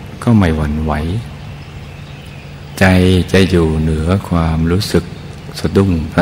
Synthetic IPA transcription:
kʰa˥˩wma˧˩jwa˨˦nwa˩˦j | t͡ɕa˧jt͡ɕa˧jːuː˨˩nɯ˩˦ɐkʰwaː˧mɾuː˦˥sɯ˨˩k̚ | sa˧du˧˩˨ŋpʰa˦˥

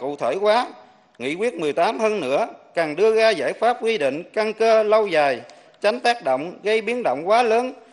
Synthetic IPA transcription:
kṵ˧˨t̪ʰeː˧˩jkwaː˨˦ | ŋḭ˧˥kwi˦˥ət̚mɨ˨˩əjt̪aː˨˦mhəː˧nnɨ̰˧˥əkaː˨˩ŋɗɨ˧əɣaː˧za̰ː˧˩jfaː˦˥p̚kwi˧ɗḭ̈˧˨ŋ̟ka˧ŋkəː˧lə˧wzaː˨˩j | t͡ɕa˨˦ŋ̟t̪aː˦˥k̚ɗo̰˧˨wŋ͡mɣə˧jɓi˨˦˥ənɗo̰˧˨wŋ͡mkwaː˨˦ləː˨˦n

